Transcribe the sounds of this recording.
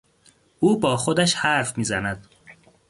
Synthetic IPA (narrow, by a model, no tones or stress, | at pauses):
uːbɒːxod̪æʃhæɾfmiːzænæd̪